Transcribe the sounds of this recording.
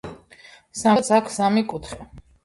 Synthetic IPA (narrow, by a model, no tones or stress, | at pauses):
sat̪sʰakʰsamikʼut̪ʰχɛ